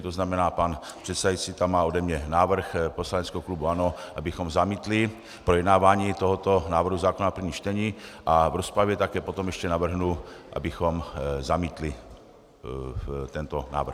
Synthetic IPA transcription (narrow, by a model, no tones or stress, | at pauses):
t̪oznamɛnaːpan | pr̥ɛt̪sɛd̪ajit͡siːt̪amːaːodɛmɲɛnaːvr̩xposlaɲɛt͡skɛɦoklubuanoʔabɪxomzamiːt̪li | pɾojɛd̪naːvaːɲiːt̪oɦot̪onaːvr̩ɦuzaːkonaprvɲiːʃt͡ʃt̪ɛɲiːʔavɾospɾavjɛt̪akɛːpot̪omjɛʃcɛnavr̩ɦnuʔa̰bɪxomzamiːt̪li | t̪ɛnt̪ona̰ːvr̩x